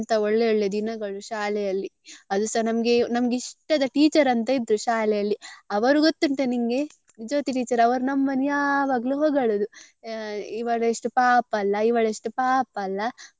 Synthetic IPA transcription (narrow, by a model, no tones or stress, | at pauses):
nt̪ɐoɭːeoɭːed̪inɐɡɐɭuʃaːlɛjɐlːi | ɐd̪usɐnɐmɐɡe̞nɐmɡeiʂʈɐd̪ɐʈiːt͡ʃɐɾɐnt̪ɐid̪ɾuʃaːlɛjɐlːiɐʋɐɾuɡot̪ːuɳʈeniŋɡe | id͡ʒoːt̪iʈiːt͡ʃɐɾɐʋɐɾunɐmːɐnjaːʋaːɡɐluɦoːɡɐɭod̪u | iʋɐɭeʂʈupaːpɐlːɐiʋɐɭeʂʈupaːpɐlːɐ